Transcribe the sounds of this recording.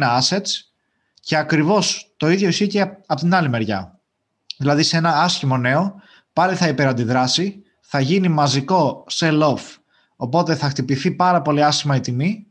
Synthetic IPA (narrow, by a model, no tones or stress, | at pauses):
nɐɐse̞s | ce̞ɐkɾivo̞st̪o̞iðʝo̞isçiceɐpot̪inɐlime̞ɾʝɐ̰ | ðilɐðisee̞nɐɐsçimo̞ne̞o̞ | pɐliθɐipe̞ɾɐnd̪iðɾɐsi | θɐʝinimɐziko̞se̞lo̞f | o̞po̞t̪e̞θɐxt̪ipiθipɐɾɐpo̞liɐsçimɐit̪imi